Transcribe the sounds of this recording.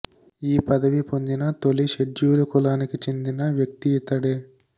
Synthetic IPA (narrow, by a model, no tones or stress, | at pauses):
iːpɐd̪ɐʋipoɲd͡ʒinɐt̪oliʃeɖd͡ʒuːɾɐkulaːnikit͡ʃend̪inɐʋjɐk̚t̪iit̪ɐɽe